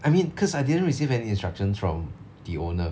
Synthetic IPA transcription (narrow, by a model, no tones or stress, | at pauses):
ʔaɪjmĩnkʰɔsajdidə̃nɹisivɛniĩnstɹakʃə̃nsfɹɔ̰̃m | d̥ionə